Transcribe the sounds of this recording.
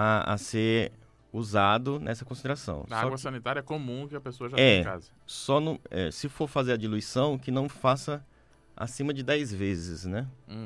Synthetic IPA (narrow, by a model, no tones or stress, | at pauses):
aa̰seɾ | uzad̪ʊnʔɛsɐkõsid̪eɾasɐ̰̃w̃saɔɡɐsɐ̃nit̪aɾjɐɛkomũkɪɐpesoɐʒatɛ̃ka̰zɐ | sɔnũɛ̰sɪfoɾfazeɾɐd͡ʒiluisɐ̃w̃kɪnɐ̃w̃fasɐ | a̰sĩmɐd͡ʒɪd̪ɛjzvezɪznɛ̃